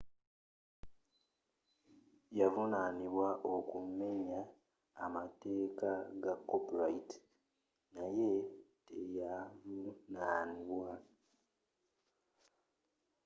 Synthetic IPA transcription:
javunaːniβwaʔo̞kumme̞ɲaː | mate̞ːkaɡakːopɾaiti̥ | naje̞tejavunaːniβwa

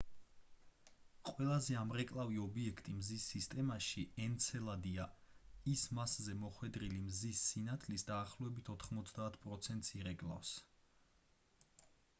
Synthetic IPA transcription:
qʼwɛlˠazɛamɾɛkʼlˠaviɔbiɛkʰt̪ʼimzisːist̪ʼɛmaʃiɛnt̪sʰɛlˠad̪iaismaszɛmɔχwɛd̪ɾilimzisːinat̪ʰlisd̪aːχlˠɔɛbit̪ʰɔt̪ʰχmɔt̪sʰd̪aːt̪ʰpʼɾɔt̪sʰɛnt̪ʼsiɾɛkʼlˠa̰fs

